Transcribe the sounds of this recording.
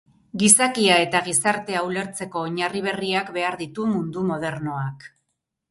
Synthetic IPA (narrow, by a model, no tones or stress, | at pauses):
ɡisakiae̞t̪aɣisaɾt̪e̞awle̞ɾt͡se̞ko̞ːɲariβ̞e̞riakbe̞aɾðit̪umund̪umo̞ð̞e̞ɾno̞ak